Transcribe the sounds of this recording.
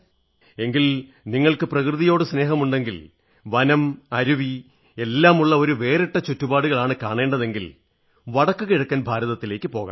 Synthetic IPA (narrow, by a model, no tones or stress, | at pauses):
e̞ŋɡil | niŋːɐɭkɨprɐkrɨðijo̞ːɽɨsne̞ːɦɐmuɳɖe̞ŋɡil | ʋɐnɐmɐɾuʋi | e̞lːaːmuɭːɐo̞ɾuʋe̞ːriʈːɐt͡ɕotːubaːɽuɣɐɭaːɳɨkaːɳe̞ːɳɖɐðe̞ŋɡil | ʋɐɽɐkːɨkiɻɐkːɐnbʱaːɾɐðɐt̪ːile̞ːkːɨpo̞ːɣɐ̰